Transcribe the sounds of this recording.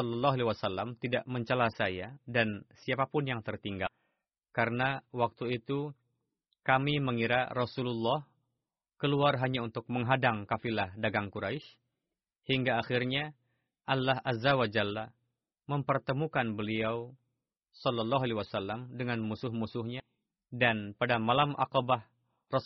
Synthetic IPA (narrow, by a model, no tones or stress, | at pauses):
ɔlːɑlːɔɦaliwasalːamt̪idaʔməɲt͡ʃəlasajadansiapapʊnjaŋt̪ərt̪iŋɡa | kaɾənawak̚t̪uit̪u | kamiməŋiɾa̰rɔsululːɑh | kəluarɦaɲaunt̪ʊk̚məŋɦadaŋkafilahdaɡaŋkuɾaɪʃ | hiŋɡaːxirɲa | ʔalːahʔazawad͡ʒalːa | məmpərt̪əmukanbəliaw | sɔlːalːɔɦaliwasalːamdəŋanmusʊhmusʊhɲa | danpadamalamʔa̰qɔbah | rɔ